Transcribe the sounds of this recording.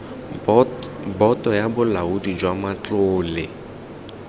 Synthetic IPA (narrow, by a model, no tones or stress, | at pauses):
bɔtʼɔjabʊlaudid͡ʒwamat͡ɬʊːlɪ